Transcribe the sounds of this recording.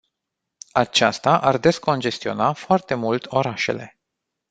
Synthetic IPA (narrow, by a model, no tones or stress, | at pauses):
at͡ʃast̪aʔard̪e̞sko̞nd͡ʒe̞st̪io̞̰nafoart̪e̞mult̪o̞ɾaʃe̞̰le̞̰